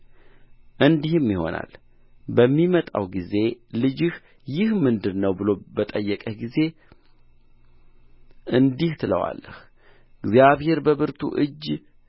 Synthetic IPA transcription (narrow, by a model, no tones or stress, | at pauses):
ʔɨnd̪ihɨmjɪho̞̰na̰l | bəmːimət̪ʼa̰wɡize̞lɨd͡ʒɪh | jɪhmɨnd̪ɨɾnəwbɨlo̞bət̪ʼəjːəkʼəɡize̞ | ʔɨnd̪iht̪ʰɨlə̰wa̰lːə̰h | ɨɡzjaβhe̞ɾbəβɨɾt̪ʰṵʔɨd͡ʒː